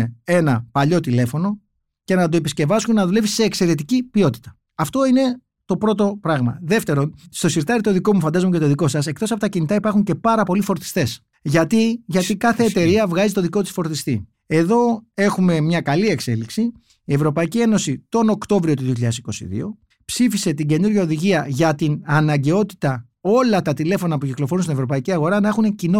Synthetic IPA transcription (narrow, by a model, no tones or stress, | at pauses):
ee̞nɐpɐʎo̞t̪ile̞fo̞no̞ | ce̞nɐt̪o̞e̞pisce̞vɐsunnɐðule̞visseːkse̞ɾe̞t̪̬icipio̞t̪i̥t̪ɐ̥ | ɐft̪o̞ine̞ | t̪o̞pɾo̞t̪̬o̞pɾɐɣmɐ̰ðe̞ft̪e̞ɾo̞nst̪o̞siɾt̪ɐɾit̪o̞ðiko̞mufɐnd̪ɐzomec̬et̪oðiko̞sɐse̞k̚t̪osɐpo̞t̪ɐcinit̪ɐipɐɾxuɲce̞pɐɾɐpo̞lifo̞ɾt̪i̥st̪e̞s | ʝɐt̪iʝɐt̪ikɐθe̞ːt̪e̞ɾiɐvɣɐzit̪o̞ðiko̞t̪isfo̞ɾt̪ist̪i | e̞ðo̞e̞xume̞mɲɐkɐlie̞kse̞liksi | ie̞vɾo̞pɐicie̞no̞sit̪o̞no̞kt̪o̞vɾio̞t̪uðiçiʎɐðesiko̞sḭðḭo̞̰ | psifise̞t̪iɟe̞nuɾʝɐoðiʝiɐʝɐt̪inɐnɐɲɟe̞o̞t̪i̥t̪ɐ | o̞lɐt̪ɐt̪ile̞fo̞nɐpuciklofo̞ɾunst̪ine̞vɾo̞pɐiciɐɣo̞ɾɐnɐe̞xune̞cino